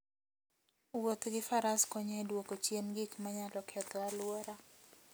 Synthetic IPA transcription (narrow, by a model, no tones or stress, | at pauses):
wot̪ɡɪfaɾaskɔɲɛdwokot͡ʃjenɡikmaɲalɔkʰɛtlalʊwoɾa